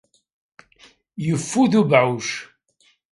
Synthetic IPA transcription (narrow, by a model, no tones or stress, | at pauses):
jəfːuðubʕuʃ